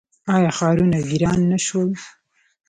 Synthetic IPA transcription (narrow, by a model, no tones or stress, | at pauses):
ɑjɑxɑɾunaɡiɾɑnːaʃwəl